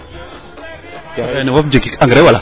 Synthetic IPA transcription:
d͡ʒaɾaniwafd͡ʒikikaŋɡəɾewala̰

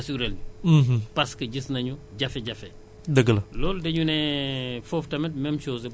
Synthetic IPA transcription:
siɡɾɛlupɐskɐɟisnɐɲuɟɐfɛɟɐfɛ | dɐɡɐlɐlɔːldɐɲunɛfoftɐmɛt̚mɛmt͡ʃɔːzɐ

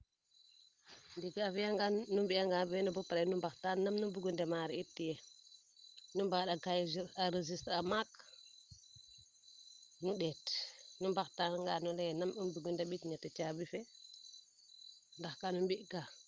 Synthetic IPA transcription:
ndiɡafijaŋɡanːumbijaŋɡabiɛnubupɾanumbaktanːamnumbuɡundemaɾiitːijɛ | numbaɗaɡajziɾaɾezistɾamak | nuɗɛtnumbaktanŋɡanulejnamumbuɡundeɓitɲatat͡ʃabife | ndaxkanumbiʔɡa

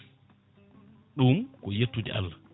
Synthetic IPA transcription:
ɗumkɔjetːudɛ̰ʔa̰lːa

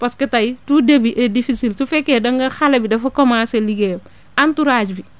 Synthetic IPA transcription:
pasketajtudebiʔedifisiltufekedɐŋɡɐxalebidɐfɐkomaseliɡem | antuɾaːd͡ʒbi

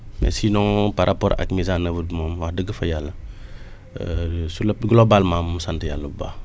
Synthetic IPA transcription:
mɛ̰sinɔ̃ŋpaɾʔapɔɾa̰kmizanəvudmomwahdəɡəfɐjalːɐ | sulɐp̚ɡlobalmamːusantəjalːɐba̰

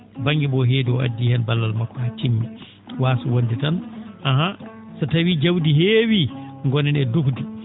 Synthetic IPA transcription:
baŋɡibɔɦeːdiɔa̰dːihɛnbalːalmakːɔhat͡ʃimːi | waːsuwonditanʔaɦa | satawid͡ʒawdiɦeːwiŋɡɔnɛnɛdukdi

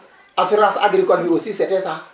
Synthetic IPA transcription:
asuɾasa̰ɡɾikɔbuɾosisɛtɛsa

